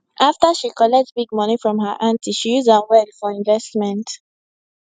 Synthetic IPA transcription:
ʔaftəʃikɔlɛk̚tbiɡ̚mɔnifɹɔ̃mɦəʔãntʰiʃijuzãnwɛdfɔɹĩɱvɛstmɛ̃nt

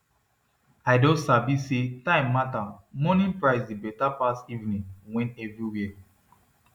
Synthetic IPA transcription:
aɪdɔ̃sabisetãɪ̃mːatamɔnĩnpɹaɪsdibɛtapastivnĩnwɛ̃ntɛvɹiwi

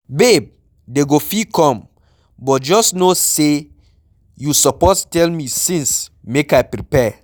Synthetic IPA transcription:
beb̚ | deɡofikɔ̃m | bɔt̚d͡ʒɔsnose | jusɔpɔstɛlmisĩnsmekaɪpɾipɛ

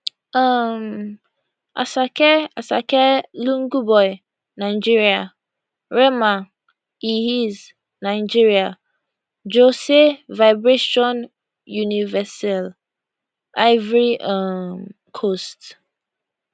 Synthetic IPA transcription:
ãm | ʔa̰sakʰɛasakʰɛlũŋɡubɔj | nãɪd͡ʒiɾia | ɾɛmã | ihiz | nãɪd͡ʒiɾia | d͡ʒosevajbɹeʃɔ̃n | junivɛsal | aɪvɾiam | kʰost

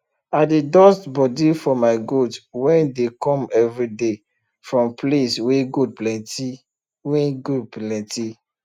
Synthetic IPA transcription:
adedɔstbɔdifɔmaɪɡotwɛ̃ndekɔ̃mɛvɹide | fɹɔ̃mplesweɡud̚plɛ̃ti | wɛɡud̚plɛ̃nti

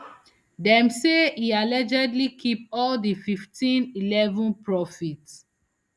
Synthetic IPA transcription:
dɛ̃mseialɛd͡ʒɛdlikʰipɔldififtĩnilɛvɔ̃npɹɔfit

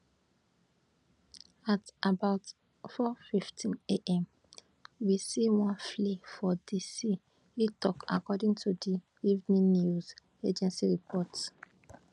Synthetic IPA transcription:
atabaʊt | fɔfiftʰĩneʔɛ̃m | wisiwɔ̃nflefɔdisi | itɔka̰kɔdĩŋtʰudi | ivnĩnjuz | ed͡ʒɛ̃nsiɹipʰɔt

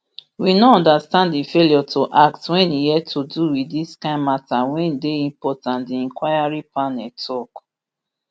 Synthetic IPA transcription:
winoɔ̃ndastãnddifeliɔtʰoʔak̚twɛ̃nihɛd̚tʰoduwidiskãɪ̃nmatawɛ̃ndeĩmpɔtãntdiɛ̃ŋkwajaɹipanɛltʰɔk

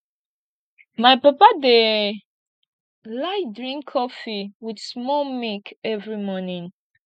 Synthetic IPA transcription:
majpapade | laɪdɹĩŋkʰːɔfiwidsmɔlmikɛvɹimɔnĩn

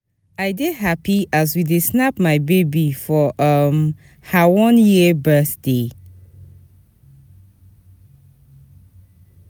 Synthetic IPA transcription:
aɪɡeɦapiʔaz̬widesnapmaɪbebifɔʔʌm | hawɔ̃njibɜθde

